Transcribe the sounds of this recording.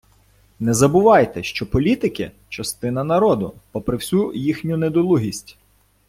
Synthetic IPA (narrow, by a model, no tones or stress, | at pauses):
nɛzɐbʊʋɑjt̪ɛʃt͡ʃɔpɔlʲit̪ɪkɪ̰ | t͡ʃɐst̪ɪn̪ɐnɐɾɔd̪ʊpɔpɾɪwsʲujixnʲʊned̪ɔlˠuɦʲisʲtʲ